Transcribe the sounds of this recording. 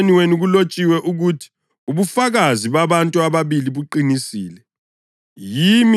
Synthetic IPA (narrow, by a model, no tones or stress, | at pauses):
niweniɣulot͡ʃʼiwɛʔuɣutʰi̥ | uβufaɣaziβaβantʼuaβaβiliβuǃinisiːlɛ | jim